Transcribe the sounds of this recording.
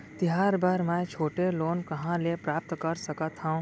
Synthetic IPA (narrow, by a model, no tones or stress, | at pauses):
t̪ɪɦaːɾbaːɾmɛ̃t͡ʃʰoːʈeloːnkɐɦãlepɾaːp̚t̪kəɾsəkət̪ʰãũ